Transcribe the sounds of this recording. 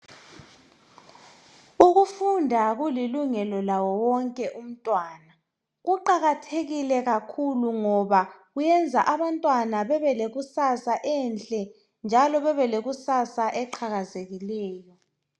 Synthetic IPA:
uɣufundʱaɣuliluŋɛlɔlawɔwɔŋkʼɛʔum̩tʼwaːna | ɣuǃaɣatʰeɣilɛɣakʰuluŋɔβaɣujɛnd͡zʱaʔaβantʼwanaβɛβɛleɣusasaʔɛnt͡ɬʼɛ | nd͡ʒʱalɔβɛβɛleɣusasaʔɛǃʰaɣazeɣilɛːjɔ

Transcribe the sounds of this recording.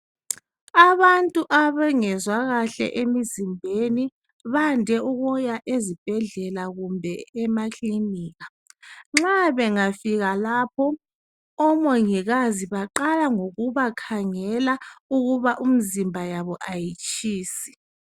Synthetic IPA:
aβantʼuʔaβɛŋɛzwaɣaɬɛ̰ʔemizimbʱeni | βandʱɛuɣɔjaʔezib̥ʱɛɮɛlaɣumbʱɛɛmakʰʼliniːɣa | ŋ͡ǁaβɛŋafiɣalaːpʰɔ | ɔmɔŋiɣaziβaǃalaŋoɣuβakʰaŋɛlauɣuβaʔum̩zimbʱajaβɔʔajit͡ʃʼiːsi̥

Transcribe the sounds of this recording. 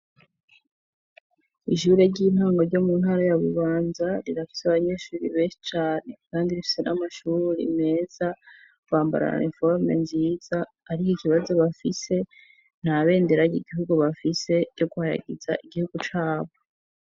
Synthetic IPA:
iʃuɾe̞ɾɟiːnhaːŋɡo̞ɾɟo̞mun̥haɾajaβṵβaːnzaɾiɾafi̥saβaɲe̞ːʃuːɾiβe̞ːnʃi̥t͡ʃaːne̞kaːndiɾifi̥se̞nʔamaʃuɾiɾḭme̞ːz̥a | kwaːmba̰ɾa̰ɾḛfoɾmḛnziːzaː | ɾikoiciβazo̞βafise̞ | n̥haβe̞ːnde̞ɾaɟiɡiɦuɡuβafise̞ɟo̞ɡuhaɾa̰ɡiza̰ʔiɡihuɡ̥ut͡ʃaːβo

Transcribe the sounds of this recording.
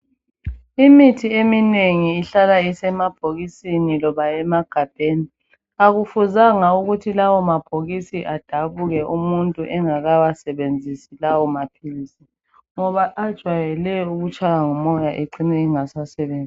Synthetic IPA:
imitʰiemineŋiːɬalaisɛmab̥ʱoɣisinilɔβaɛmaɡ̥ʱab̥ʱeːni | aɣufuzaŋauɣutʰilawɔmab̥ʱoɣisiʔad̥ʱaβuɣɛʔumuntʼuʔɛŋaɣawasɛβend͡zʱisilawɔmapʰilisi | ŋɔβaʔad̥ʒ̥ʱwajɛlɛuɣut͡ʃʼajaŋumɔjaʔeǀinɛiŋasasɛβeːnd͡zʱi

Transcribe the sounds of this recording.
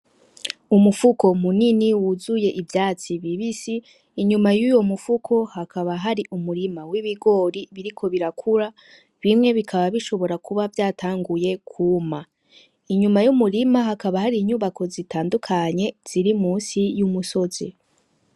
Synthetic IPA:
umufuko̞muniniwuzuje̞ʔivjaːt͡siβiβisiː | ɲumajujo̞mufukʰo̞hakʰaβaɦaɾiʔumuɾimawiβiɡo̞ɾiβiɾikʰo̞βiɾakʰuɾa | βimŋe̞βikʰaβaβiʃo̞βo̞ɾakuβavjaːtʰaːŋɡuje̞kʰuːma | iɲumajumuɾimaɦakaβahaɾiɲuːβakʰo̞zitʰaːndukʰaɲe̞z̥iɾimuːnsijumuso̞zi

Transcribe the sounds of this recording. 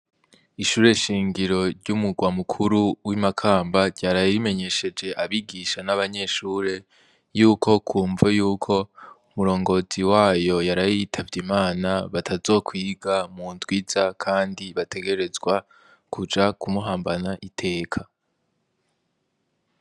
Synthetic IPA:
iʃuːɾe̞ʃiːŋɡiɾo̞ɾɟumuɡwamukʰuɾuwimakʰaːmbaɾɟaːɾajime̞ɲe̞ʃe̞d͡ʒe̞ʔaβiɡiːʃanaβaɲe̞ʃuːɾe̞ | juːkʰo̞kʰuːɱvajuːkʰo̞umuɾo̞ːŋɡo̞ːziwaːjo̞jaɾajitʰavɟimaːnaβatʰazo̞ːkʰwiːɡamuːntwiːz̥akʰaːndiβatʰe̞ɡe̞ɾe̞zɡwa | kʰud͡ʒakʰumuɦaːmbanaʔitʰe̞ːkʰa

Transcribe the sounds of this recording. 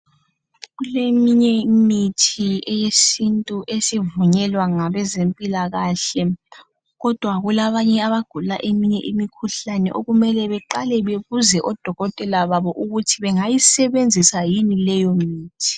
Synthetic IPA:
ɣulemiɲɛmitʰiɛjesintʼuʔesivuɲɛlwaŋaβɛzempʼilaɣaːɬɛ | ɣɔd̥ʱwaɣulaβaɲɛaβaɡ̥ʱulaʔemiɲɛ̰ʔimikʰuɬanɛ̰ʔoɣumɛlɛβɛǃalɛβeβuzɛʔɔd̥ʱɔɣɔtʼɛlaβaβɔʔuɣutʰiβɛŋajisɛβend͡zʱisajinilɛjɔmiːtʰi̥

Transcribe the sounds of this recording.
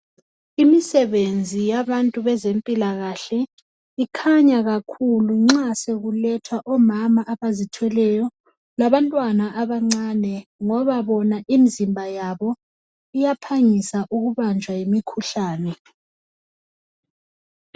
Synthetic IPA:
imisɛβend͡zʱijaβantʼuβɛzempʼilaɣaɬɛ | ikʰaɲaɣakʰuluŋ͡ǁaseɣulɛtʰwaʔɔmamaʔaβazitʰwɛlɛjɔ | laβantʼwanaʔaβaŋ͡ǀanɛŋɔβaβɔnaʔimizimbʱajaβɔ | ijapʰaɲisaʔuɣuβand͡ʒʱwajimikʰuɬaːnɛ

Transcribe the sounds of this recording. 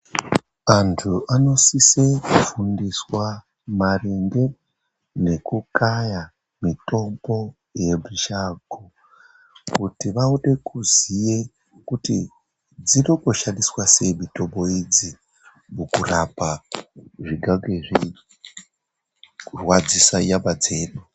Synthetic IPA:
antʰuʔano̞sise̞kufundiswa | mariŋɡe̞ | ne̞kukaja | mito̞mbo̞ | je̞bʱiʃaɡʱo | kutiʋauɗe̞kʰuzije | kuti | d͡zino̞ko̞ʃandiswase̞mito̞mbo̞id͡zi | mukurapa | ʐiɡʱaɡeʐi | kurwad͡zisajaɓad͡ze̞ːɗu

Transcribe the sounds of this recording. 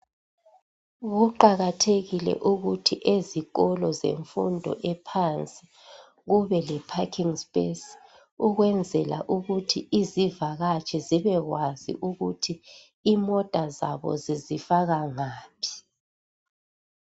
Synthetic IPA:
ɣuǃaɣatʰeɣilɛ̰ʔuɣutʰiʔeziɣɔlɔzḛɱfṵndʱɔ̰ʔɛpʰant͡sʼi | ɣuβɛlɛpʰakʰiŋspʼes | uɣwɛnd͡zʱɛla̰ʔuɣutʰiʔizivaɣat͡ʃʼɛziβɛɣwazḭʔuɣutʰi | imɔd̥ʼʱaza̰βɔ̰zizifaɣaŋaːpʰi̥

